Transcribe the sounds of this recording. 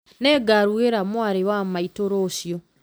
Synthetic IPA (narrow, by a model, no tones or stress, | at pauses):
nɛɡaɾueɾamwaɾewamaitoɾoːɕjɔ